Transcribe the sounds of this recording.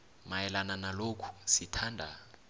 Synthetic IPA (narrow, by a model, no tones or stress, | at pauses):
majɛlananalokʰu̥sitʰaːndʱa̰